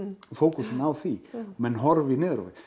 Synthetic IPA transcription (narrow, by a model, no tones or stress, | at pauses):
foːwkʉsɪmawθimɛnːɦɔɾvɪnɪːðɾo̰wɪ